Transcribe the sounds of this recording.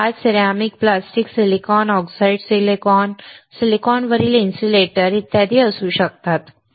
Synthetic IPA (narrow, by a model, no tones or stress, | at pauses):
ad͡zsiɾamik̚plasʈiksilikɔnɔksaiɖselkɔnsilikɔnʋəɾiːlinsʈileʈəɾit̪ːjad̪ʱiːəsuːɕək̚t̪at̪